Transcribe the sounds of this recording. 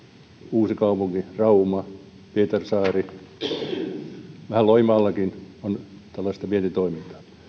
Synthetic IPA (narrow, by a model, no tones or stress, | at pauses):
uːsikɑupuŋkirɑumɑ | piet̪ersɑːri | ʋæhæloimɑːlːɑkinont̪ælːɑist̪ɑʋient̪it̪oimint̪ɑ̥ː